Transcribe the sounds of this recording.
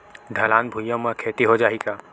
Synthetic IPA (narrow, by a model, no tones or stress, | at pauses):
ɖʱəlaːnbʱujə̃mə̃kʰeʈ̪iɦod͡ʒaɦika